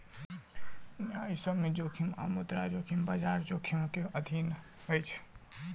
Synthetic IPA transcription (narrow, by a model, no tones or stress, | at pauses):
najsəbmed͡ʒokʰima̰mut̪ɾad͡ʒokʰimbad͡ʒaɾd͡ʒokʰimkeəd̪ʱin | ɦəjt͡ʃʰ